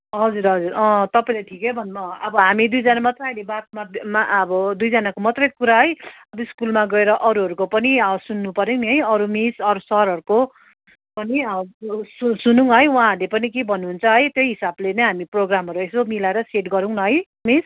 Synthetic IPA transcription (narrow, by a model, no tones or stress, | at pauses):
ɦʌd͡zuɾɦʌd͡zurʌ̃t̪ʌpaĩlajtʈʰikebʱʌnmʌʌbʌɦamid̪ujd͡zanamʌt̪rʌjlebat̪mamaʌbʌd̪ujd͡zanakomʌt̪rʌjkuɾaɦʌjʌbʌiskulmaɡʌeɾʌʔʌɾuɦʌɾukopʌniʌsunːupʌɾjewniɦʌjʌɾumisʌɾusʌɾɦʌɾuko | pʌniʌsusunũŋɦʌjwãɦʌɾlepʌnikebʱʌnːuɦːnt͡sʰʌɦʌjt̪joɦisablenʌjɦamiproɡramɦʌɾuesomilaeɾʌseʈɡʌɾuw̃nʌɦʌj | mis